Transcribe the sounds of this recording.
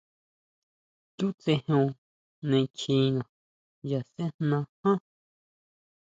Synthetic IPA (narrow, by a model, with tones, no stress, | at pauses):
ku˦t͡se˧hõ˧ | nẽ˧t͡ʃʰĩ˧nã˨ | ja˨se˦nnã˧hã˦